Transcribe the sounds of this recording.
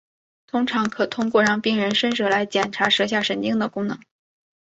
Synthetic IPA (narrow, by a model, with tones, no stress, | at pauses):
t̪ʰʊ˥ŋʈ͡ʂʰɑ˧˥ŋkʰɤ˨˩t̪ʰʊ˥ŋkwɔ˥˧ɻɑ˥˩ŋpi˥˩ŋɻə˧˥nʂə˥nʂɤ˥˩la˧˥ɪt͡ɕjɛ˨˩nʈ͡ʂʰa˧˥ʂɤ˧˥ɕ̬ja˥˩ʂə˧˥˩nt͡ɕi˥ŋd̪ə˨kʊ˥ŋnɤ˧˥ŋ